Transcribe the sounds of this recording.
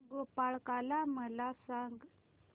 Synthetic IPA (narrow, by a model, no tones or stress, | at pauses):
ɡopaɭkalaməlasaŋɡ